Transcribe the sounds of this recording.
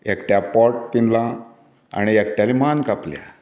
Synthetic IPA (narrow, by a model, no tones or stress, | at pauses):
ekʈjapɔʈ̚t̪inlã | a̰ñiekʈjalimankaplja̰